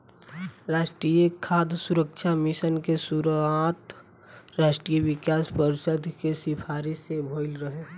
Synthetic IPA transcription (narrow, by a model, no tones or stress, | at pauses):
ɾaːʃʈɾijekʰːaːd̪suɾəkʃʰamɪsənkesʊɾat̪ | ɾaːʃʈɾieʋɪkaːspəɾʃəd̪ʱkesɪpʰaːɾisebʱoːɪlɾəɦeː